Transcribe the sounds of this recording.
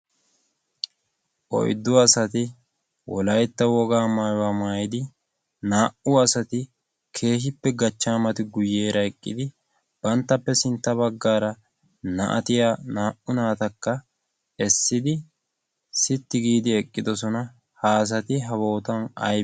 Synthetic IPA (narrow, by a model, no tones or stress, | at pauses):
ʔɔ̰jd̪ːʊɐsɐt̪ɪ | wɔlɐjt̪ːɐwɔɡaːmaːjwamaːjɪd̪ɪ | naːʔʊɐsɐt̪ɪ | kʰe̞ːɦɪpːɛɡɐt͡ʃːaːmɐt̪ɪɡʊje̞ːɾɐɛkʼːɪd̪ɪ | b̥ɐnt̪ːɐpːɛsɪnt̪ːɐβɐɡːaːɾɐ | nɐ̰ʔɐ̰t̪ɪjaːnaːʔʊnaːt̪ɐkːɐ | ɛsːɪd̪ɪ | sɪt̪ːɪɡiːd̪ɪɛkʼːɪd̪ɔs̬ɔnɐ | haːs̬ɐt̪ɪɦɐbo̞ːt̪ɐnɐ̰j